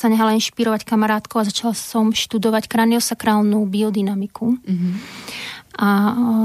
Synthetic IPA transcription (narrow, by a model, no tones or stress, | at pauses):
saɲɛɦalinʃpiɾɔʋackamaɾaːt̪kɔʊazat͡ʃalsɔmʃt̪ud̪ɔʋackɾaniɔsakɾaːlnubiɔd̪inamikʰu | ʔa